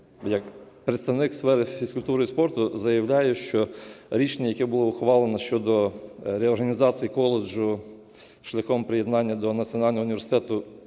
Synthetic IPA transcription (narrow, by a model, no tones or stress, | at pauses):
jɐkpɾet̪st̪ɐwnɪksfɛɾɪfʲiskʊlʲt̪uɾʊjispɔrt̪ʊzɐjɐwlʲajɛʃt͡ʃɔɾʲit͡ʃenʲːɐjɐkɛbʊlˠɔʊxʋɑlˠenɐʃt͡ʃɔd̪ɔɾeɔrɦɐnʲizɑt͡sʲijikɔlˠed͡ʒʊ | ʃlʲɐxɔmpɾeje̞d̪nɑnʲːɐd̪ɔnɐt͡sʲiɔnɑlʲnɔɦɔʊnʲiʋʲesɪ̥t̪ɛt̪ʊ